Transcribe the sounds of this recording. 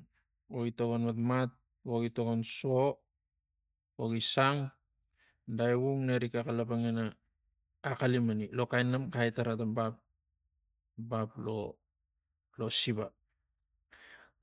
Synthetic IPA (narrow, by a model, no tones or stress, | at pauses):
oitoɡonmatmat̚ | oɡitoɡonso | oɡisaŋ | dajβuŋneɾikakalapaŋenaː | kalimanilo̞kajnamkajtaɾatambap̚ | baplo̰ | lo̞siβa